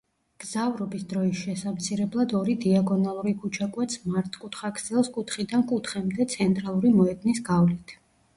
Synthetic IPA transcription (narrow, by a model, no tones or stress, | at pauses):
ɡ̥zavɾɔbisd̪ɾɔisʃɛsamt̪sʰiɾɛblˠad̪ɔɾid̪iaɡɔnalˠuɾikʰut͡ʃʰakʼwɛt̪sʰmaɾt̪ʼkʼut̪ʰχakʰzɛlˠskʼut̪ʰχid̪ankʼut̪ʰχɛmd̪ɛt̪sʰɛnt̪ʼɾalˠuɾimɔɛd̪nisɡ̥avlit̪ʰ